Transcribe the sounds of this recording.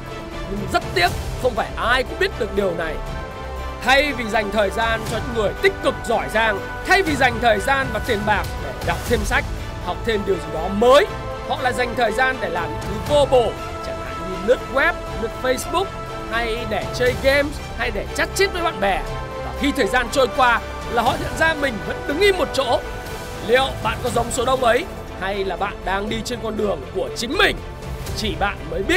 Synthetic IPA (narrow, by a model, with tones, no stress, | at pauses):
ɲɨ˧ŋzə˦˥t̚t̪i˦˥əp̚xə˧wŋ͡mfaː˧˩jʔaː˧jkʊ̰˧˥ŋ͡mɓi˦˥ət̚ɗɨ˨˩ək̚ɗi˨˩əwna˨˩j | t̪ʰa˧jvi˨˩za˨˩jŋ̟t̪ʰəː˨˩jzaː˧nt͡ɕɔ˧ɲɨ̰˧˥ŋɨ˨˩əjt̪ï˥k̟̚kːɨ˨˩k̚zɔ˧˩jzaː˧ŋ | t̪ʰa˧jvi˨˩za˨˩jŋ̟t̪ʰəː˨˩jzaː˧nmaː˨˩t̪i˨˩ənɓaː˨˩k̚ɗe˧˩ɗɔ˨˩wk͡p̚t̪ʰe˧msa˦˥jk̚ | ha˨˩wk͡p̚t̪ʰe˧mɗi˨˩əwzi˨˩ɗɔ˨˦məː˨˦j | hɔ̰˧˨laː˧˨jza˨˩jŋ̟t̪ʰəː˨˩jzaː˧nɗe˧˩laː˨˩mɨ̰˨˧˥ɲɨ˨˧˥vo˧ɓo̰˧˨ | t͡ɕaː˧˩ŋla̰ː˧˨jɲɨ˧lɨ˦˥ək̚ɣwɛ˦˥p̚nɨ˦˥ək̚fə˧jsɓʊ˦˥k̚ | ha˧jɗe˧˩t͡ɕəː˧jɣe˧m | ha˧jɗe˧˩t͡ɕa˦˥t̚t͡ɕi˦˥t̚vəː˨˦jɓa̰ː˧˨nɓɛ˨˩ | vaː˨˩xi˧t̪ʰəː˨˩jzaː˧nt͡ɕo˧jkwaː˧ | laː˨˩hɔ̰˧˨zə̰˧˨nzaː˧mï˨˩ŋ̟və̰˧˥nɗɨ˨˦ŋʔi˧mːo˨˩t̚t͡ɕo̰˧˥ | lḭ˧˨ə˨wɓa̰ː˧˨nkɔ˨˦zə˨˦wŋ͡mso˨˦ɗə˧wŋ͡mʔə˨˦j | ha˧jlaː˨˩ɓa̰ː˧˨nɗaː˧ŋɗi˧t͡ɕe˧nkɔ˧nɗɨ˨˩əŋku˧˩ət͡ɕï˨˦ŋ̟mï˨˩ŋ̟ | t͡ɕi˧˩ɓa̰ː˧˨nməː˨˦jɓi˦˥ət̚